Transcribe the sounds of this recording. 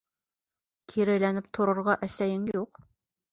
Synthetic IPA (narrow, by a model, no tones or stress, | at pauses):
kʰiɾæ̆lænɘp̚t̪ʰŏɾɤ̆ɾʁɑʔæsæjɘŋjuq